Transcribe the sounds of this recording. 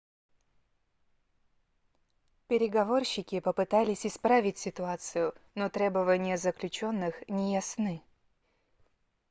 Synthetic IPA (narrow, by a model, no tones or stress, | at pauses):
pʲɪɾʲɪɡɐvo̞rɕːɪkʲɪpəpɨt̪alʲɪsʲɪspɾavʲɪtʲsʲɪt̪ʊat̪sɨjʊnot̪ɾʲebəvənʲɪjəzəklʲʉt͡ɕo̞nːɨxnʲɪjɐsnɨ